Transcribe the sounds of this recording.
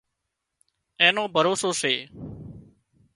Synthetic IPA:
ẽːnõːbʱəɾoːsoːseː

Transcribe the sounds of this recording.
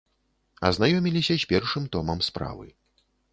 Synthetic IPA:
ɐznajɔmʲilʲisʲɐsʲpʲɛrʂɨmt̪ɔmɐmspɾa̰vɨ̰

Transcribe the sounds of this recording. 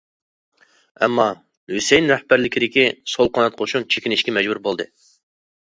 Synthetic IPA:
ɛ̰mːɑ | lysejnɾɛhbæɾlɪkʲʰid̪ɪkʲisolˠqʰɑnɑt̪̚qʰoʃunt͡ʃʰekʲinɪʃkʲɛmɛd͡ʒbuɾbolˠd̪ɨ

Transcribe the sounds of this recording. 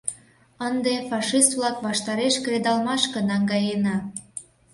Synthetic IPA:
ənd̪efɑʃist̪vlɑkβɑʃt̪ɑɾeʃkred̪ɑlmɑʃkənɑŋɡɑjenɑ

